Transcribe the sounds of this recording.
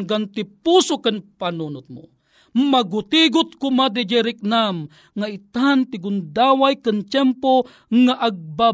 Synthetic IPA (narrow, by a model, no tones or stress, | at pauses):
ŋɡant̪ipusokənpanunʊt̪̚mo̰ | maɡʊt̪iɡʊt̪̚kʊmad̪̬id͡ʒɛɾɪk̚nam | ŋait̪ant̪ɪɡʊnd̪awajkant͡ʃɛmpo | ŋaʔaɡ̚ba